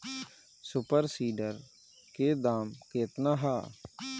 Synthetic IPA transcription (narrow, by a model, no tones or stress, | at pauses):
sʊpəɾsiːɖəɾ | keːd̪aːmkeːt̪naːɦaː